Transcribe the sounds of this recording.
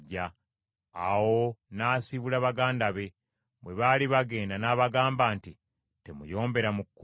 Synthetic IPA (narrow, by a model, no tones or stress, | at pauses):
ɟːa | awo̞naːsiβulaβaɡaːndaβe̞ | βwe̞βaliβaɡe̞ːndanaːβaɡaːmbaːnti | te̞mṵjo̞ːmbe̞ɾamukkː